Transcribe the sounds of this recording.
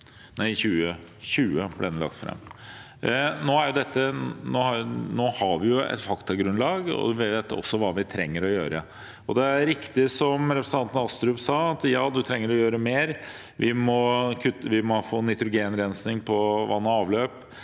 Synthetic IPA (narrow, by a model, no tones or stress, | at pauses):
næɪçʉːə | çʉːəblɛ̰ɛnəlɑ̰kt̪fɾɑ̰mː | noːæɾjʊd̪ɛt̪ːənoːhɑnoːhɑɾʋɪjʊɛ̰t̪fɑkt̪ɑɡɾʉnlɑːɡɔ̰ʋːd̪ɛt̪ːəɔ̰sːɔʋɑːʋɪt̪ʰɾɛŋːəɾɔjøːɾə̰ | ɔd̪ɛæɾɪkt̪ɪsɔmɾɛpɾsən̩ɑnt̪ən̩ɑst̪ɾʉːpsɑːɑt̪jɑːd̪ʉt̪ʰɾɛŋːəɾɔjøːɾəmeːɾ | ʋʔɪmɔkʰʉt̪ːəʋɪmɔfoːnɪt̪ɾʊɡeːnɾɛnsnɪŋpʰɔʋɑ̰nːəɑːʋløːp